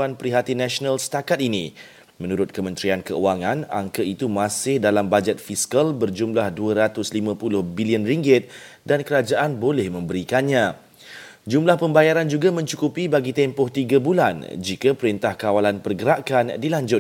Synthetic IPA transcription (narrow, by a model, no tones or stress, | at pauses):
anpəɾiɦat̪inãsonalsə̥t̪akat̪̚inĩ | mə̃nuɾʊt̪̚kəmə̃nt̪ɾiankəuaŋãna̰ŋkəit̪umãsɪhdalambad͡ʒɛt̪̚fiskalbərd͡ʒumlahduəɾat̪ʊslimãpulʊhbiliənriŋɡɪt̪̚ | dankəɾad͡ʒaʔanbolɛhmə̃mbəɾikanɲã | d͡ʒumlahpəmbajaɾand͡ʒuɡamə̃ɲt͡ʃukupibaɡit̪ɛmpɔht̪iɡabuland͡ʒikapəɾint̪ahkawalanpərɡəɾaʔkandilaɲd͡ʒʊ